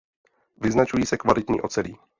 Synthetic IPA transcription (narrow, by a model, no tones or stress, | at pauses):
vɪznat͡ʃujiːsɛkvalɪt̪ɲḭːʔot͡sɛliː